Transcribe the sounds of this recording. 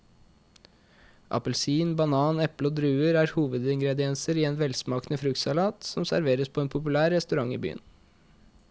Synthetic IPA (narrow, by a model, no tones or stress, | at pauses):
ʔɑ̰pəlsiːnbɑnɑːnɛpləɔd̪ɾʉːəɾæːɾhuːʋəd̪ɪŋɡɾɛd̪ɪɛnsəɾiːeːnʋɛlsmɑːknəfɾʉkt̪sɑlɑːt̪sɔmsæɾʋeːɾəspʰɔeːnpʰʊpʉlæːɾːɛst̪ʉɾɑŋːḭːby̰ːə̰n